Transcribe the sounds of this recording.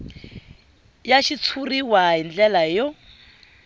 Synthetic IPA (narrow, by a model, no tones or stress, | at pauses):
jaʃit͡sʰuriwaɦind͡ɮɛlajɔ